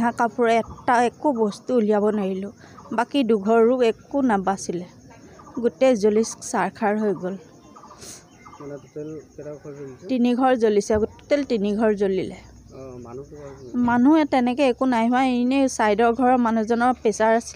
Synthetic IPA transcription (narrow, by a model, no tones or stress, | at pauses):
ɦãkapʊɹaɛtaɛkubɔstuːlijabɔnaɹilʊ̃ | bakiduɡʱɔɹːuɛkunabasilɛ | ɡutɛzolisksaɹkʰaɹɦojɡol | tiniɡʱɔɹzolisɛɡutɛltiniɡʱɔɹzolilɛ | manuɛtɛnɛkɛɛkunajɦaenesajdɔɹɡʱɔɹɔmanuzɔnɔɹpɛsaɹasi̥